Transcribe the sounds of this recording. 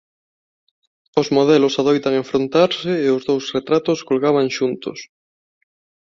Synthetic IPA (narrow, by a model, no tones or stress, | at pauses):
ozmoð̞ɛlosaðojt̪aŋeɱfɾont̪aɾseːozðowsret̪ɾat̪oskolɣaβaŋʃunt̪o̰s